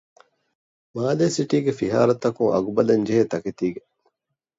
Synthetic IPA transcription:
maːleːsiʈiːɡefiɦa̰ːɾɐt̪ːɐkuŋɐ̰ɡubɐlɐnd͡ʒeɦet̪ɐket̪iːɡe

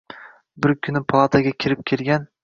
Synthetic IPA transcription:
bɪɾkʲʰʊnɪpʰalˠat̪ʰaɡʲakʲʰɪɾɪp̚kʲʰelɡʲan

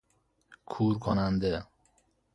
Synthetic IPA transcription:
kʰuːɾkʰonænd̪e

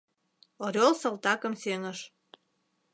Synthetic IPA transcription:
oɾʲolsɤ̆lt̪ɑkə̆mseŋə̆ʃ

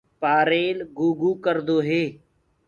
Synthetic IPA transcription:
paːɾeːlɡuːɡuːkəɾd̪oːɦeː

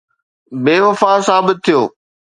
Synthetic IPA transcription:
beːʋɐfasaːbɪt̪̚ʰːijoː

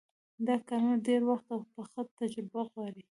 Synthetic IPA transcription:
d̪ɑkɑɾaɖeɾwaxt̪awxpəxət̪ad͡ʒabaɣwɑɾi

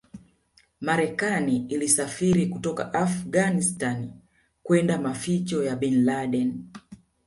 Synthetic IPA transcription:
maɾɛkaniilisafiɾikutɔka̰ʔafɡanistan | kwɛndamafit͡ʃɔjaɓɛnlaɗɛn

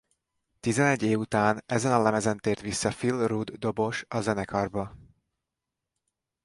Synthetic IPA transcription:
t̪izɛnɛɟːeːvut̪aːnɛzɛnɒlɛmɛzɛnt̪eːrt̪ʋisːɒfilrud̪ːo̞bo̞ʃɒzɛnɛkʰɒrbɒ

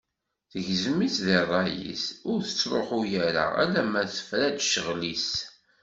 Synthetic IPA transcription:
θəʝzəmiθðirˤːɑjḭθʊɾθə̥t͡sːɾˤoħujæɾa̰æ̰læmæθə̥fɾæd̪ʃəʁlis

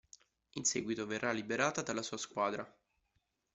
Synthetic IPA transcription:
insḛːɡwit̪overːalːibeɾaːt̪ad̪alːasuːaskwaːd̪ɾa

